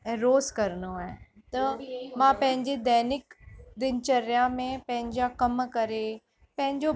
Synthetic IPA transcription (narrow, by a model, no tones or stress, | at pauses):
ɾoːzkɐɾnoae | t̪ɐmãːpɐ̃ɦɪ̃ɲd͡ʑed̪ɛːnɪkd̪ɪnt͡ʃɐɾjãmẽpɐ̃ɦɪ̃ɲd͡ʑakɐmkɐɾe | pɐ̃ɦɪ̃ɲd͡ʑo